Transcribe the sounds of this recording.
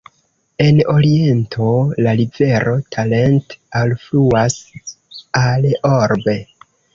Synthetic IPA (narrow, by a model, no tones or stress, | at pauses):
e̞no̞ɾie̞ntʰo̞lalive̞ɾʔo̞tʰalentalfluas | aloɾbe̞